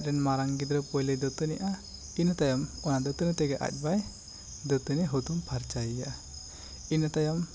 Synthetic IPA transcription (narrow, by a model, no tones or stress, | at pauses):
ɾɛnmaɾaŋɡid̪ɾɔpɔjlɛd̪ɔt̪ɔnɛʔa | inat̪ajamɔnad̪ɔt̪ɔnɛt̪ɛɡɛʔa̰c̚ˀbaj | d̪ɔt̪ɔnɛɦut̪umpʰaɾt͡ʃajijaʔa | inat̪ajam